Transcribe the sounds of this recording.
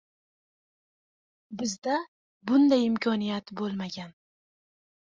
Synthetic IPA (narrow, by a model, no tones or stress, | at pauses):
bɪzd̪a | bʊnd̪ajɪmkʰɒnijat̪bolˠmaɡʲan